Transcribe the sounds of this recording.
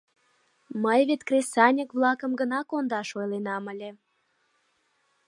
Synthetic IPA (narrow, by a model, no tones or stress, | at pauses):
məjβet̪krʲesɑnʲəkβlɑkəmɡənɑkond̪ɑʃojlenɑməlʲe